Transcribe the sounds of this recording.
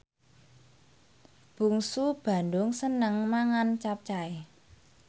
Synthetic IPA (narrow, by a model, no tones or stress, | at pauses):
b̥ṳŋsub̥ä̤ndʊŋsənəŋmaŋant͡ʃap̚t͡ʃae